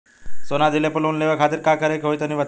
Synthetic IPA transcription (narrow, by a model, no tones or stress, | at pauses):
sonad̪ʱilepələʋunleʋəkʰat̪iːɾkakəɾekɦojt̪əniʋə